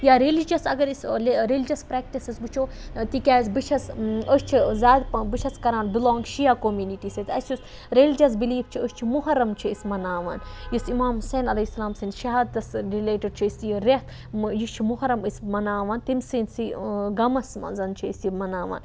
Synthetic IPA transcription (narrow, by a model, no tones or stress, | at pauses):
jaːɾelid͡ʒɐsɐɡɐɾisleɾelid͡ʒɐspɾɛːk̚ʈisɐzbɨt͡ʃʰoː | t̪ikʲaːsbit͡ʃʰɐsəst͡ʃʰizaːd̪bit͡ʃʰɐskɐɾaːnbiloːŋɡʃijakomjuːniʈisɐt̪ʲɐsjus | ɾelid͡ʒɐsbiliːft͡ʃʰiəst͡ʃʰimuɦɐɾːɐmt͡ʃʰiismɐnaːʋa̰ːnjisimaːmɦuseːnɐlɐsːɐlaːmsinʃɐɦaːd̪t̪ɐsɾileːʈɐɖ̚t͡ʃʰiisjiɾet̪ʰ | jit͡ʃʰimuɦɐɾɐmismɐnaːʋɐːnt̪imsinsiɡɐmɐsmɐ̰nzɐnt͡ʃʰiisimɐnaːʋa̰ːn